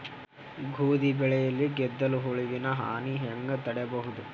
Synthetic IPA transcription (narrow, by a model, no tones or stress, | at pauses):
ɡʱuːd̪ibɛɭɛjɐlːiɡɛd̪ːɐluɦoɭiʋinɐɦa̰ːniɦɛŋɡɐt̪ɐɽɛbɐɦud̪u